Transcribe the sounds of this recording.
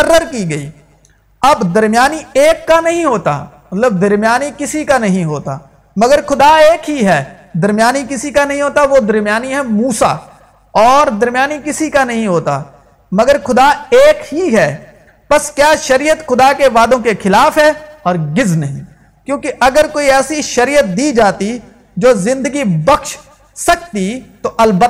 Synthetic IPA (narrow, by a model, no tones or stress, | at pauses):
əɾːəɾkiːɡɐiː | ɐbd̪ɐɾmɪjaːnieːkːanɐɦĩɦoːt̪a̰ | mɐt̪ləb̚d̪ɐɾmɪjaːnikɪsikanɐɦĩɦoːt̪a̰ː | mɐɡəɾxʊd̪aeːkɦiɦɛː | d̪ɐɾmɪjaːnikɪsikanɐɦĩɦoːt̪aʋod̪ɐɾmɪjaːniɦɛmuːsa̰ː | ɔːɾd̪ɐɾmɪjaːnikɪsikanɐɦĩɦoːt̪a̰ː | mɐɡəɾxʊd̪aeːkɦiɦɛː | pɐskjaːʃɐɾijət̪xʊd̪akeʋaːd̪õkexɪlaːfɦɛːɔːɾɡɪznɐɦĩː | kjõːkeʔɐɡəɾkoːiɛːsiʃɐɾiːjət̪̚d̪iːd͡ʒaːt̪i | d͡ʒoːzɪ̃nd̪əɡibɐxʃ | sɐk̚t̪it̪oʔɐlbə